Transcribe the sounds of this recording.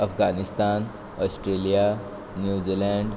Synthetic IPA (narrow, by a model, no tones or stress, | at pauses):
əfɡanist̪an | ɔsʈɾelija | njud͡ʑilɛɳɖ